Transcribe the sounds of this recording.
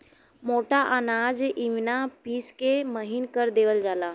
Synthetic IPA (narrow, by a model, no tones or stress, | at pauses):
moʈaʔanad͡ʒʔiʋnapiːskeməɦinkəɾd̪eʋəld͡ʒala